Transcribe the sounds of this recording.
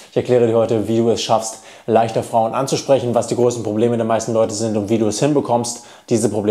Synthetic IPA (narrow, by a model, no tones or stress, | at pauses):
ɪçɛɐklɛːʁədiɐhɔʏtəviːduːɛsʃafst | laɪçtɐfʁ̥aʊənʔa̰nt͡suʃpʁ̥ɛçn̩vasd̥iːɡʁoːsn̩pʁ̥obleːmədeːɐmaɪstn̩lɔʏtəzɪntʊntv̥iːduːɛshɪnbəkʰɔmst | d̥iːzəpʁ̥obleː